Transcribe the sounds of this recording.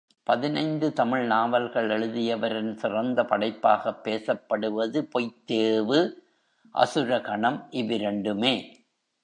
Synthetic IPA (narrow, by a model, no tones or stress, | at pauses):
pɐðɪnɐɪnd̪ɯt̪ɐmɪɭnaːʋɐlɣɐɭɛɭɯðɪjɐʋɐɾɪnsɪrɐnd̪ɐpɐɽɐɪpːaːɣɐpːeːsɐpːɐɽɯʋɐðɯpɔɪt̪ːeːʋɯ | ʔɐ̰sɯɾɐkɐɳɐmʔɪʋɪɾɛɳɖɯmeː